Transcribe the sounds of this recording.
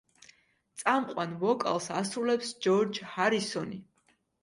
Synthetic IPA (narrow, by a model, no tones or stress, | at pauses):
t̪sʼamqʼwanvɔkʼa̰lˠsasɾulɛpsd͡ʒɔɾd͡ʒhaɾisɔni